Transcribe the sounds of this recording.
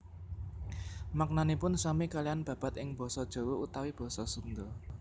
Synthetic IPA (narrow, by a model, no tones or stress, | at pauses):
mak̚nanipʊnsamikalijanb̥ä̤b̥a̤t̪ɪŋb̥ɔ̤sɔd̥ʒ̥o̤wout̪awib̥ɔ̤sɔsuŋd̪ɔ